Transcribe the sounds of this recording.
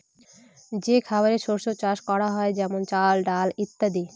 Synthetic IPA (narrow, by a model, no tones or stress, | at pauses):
d͡ʑekʰabaɾeʃoɾʃot͡ɕaʃkɔɾaɦɔed͡ʑɛmont͡ɕalɖalit̪ːad̪i